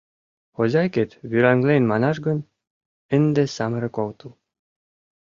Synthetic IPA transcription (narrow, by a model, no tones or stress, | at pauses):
ozʲɑjket̪βyɾæŋɡlenmɑnɑʃɡɤ̆n | ɘ̆nd̪ĕsɑmə̆ɾɤ̆kowt̪ɤl